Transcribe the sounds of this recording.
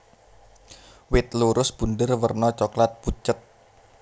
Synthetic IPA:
wɪt̪̚luɾʊsb̥ṳndərwərnɔt͡ʃɔklat̪̚put͡ʃət̪̚

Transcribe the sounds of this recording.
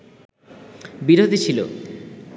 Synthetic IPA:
biɾod̪ʱit͡ɕʰilo̰

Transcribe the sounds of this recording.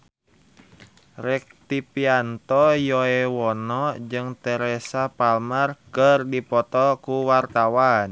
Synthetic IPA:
rɛk̚t̪ipiant̪ɔjɔɛwɔnɔd͡ʒɨŋt̪ɛɾɛsapalmərkərdipɔt̪ɔkuwart̪awan

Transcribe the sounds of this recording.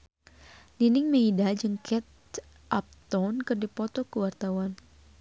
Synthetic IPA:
ninɪŋmeidad͡ʒəŋkʰɛt̪̚ | ʔap̚t̪ɔnkɨrdipɔt̪ɔkəwart̪awan

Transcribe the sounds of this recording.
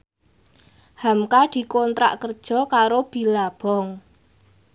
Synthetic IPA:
hamkad̪̥i̤kont̪ɾa̰ʔkərd̥ʒ̥ɔ̤kaɾob̥i̤lab̥ɔ̤ŋ

